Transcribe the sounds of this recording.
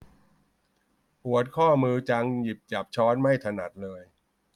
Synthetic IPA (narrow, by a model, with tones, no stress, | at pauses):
pʰu˨˩˦ət̪̚kʰɔː˥˩mɯː˧t͡ɕa˧ŋji˨˩p̚t͡ɕa˨˩p̚t͡ɕʰɔː˦˥nma˥˩jt̪ʰa˧na˨˩t̪̚lɤː˧j